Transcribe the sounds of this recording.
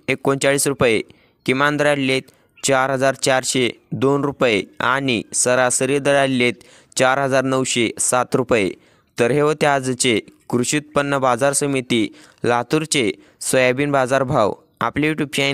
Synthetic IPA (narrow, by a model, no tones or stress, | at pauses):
ekːont͡ɕaɭiːsɾupje | kimãnd̪ɾaɽlet̪ | t͡ɕaɾɦəd͡zaɾt͡ɕaɾɕed̪onɾupjea̰ñisəɾasəɾjəd̪əɽallet̪̚ | t͡ɕaɾɦəd͡zaɾnəwɕesat̪ɾupjḛ | t̪əɾɦeʋət̪jad͡zt͡ɕekɾuɕit̪̚pənːəbad͡zaɾsəmit̪iː | lat̪uɾt͡ɕe | səjabiːnbad͡zaɾbʱaw | a̰plejuʈup̚ɕã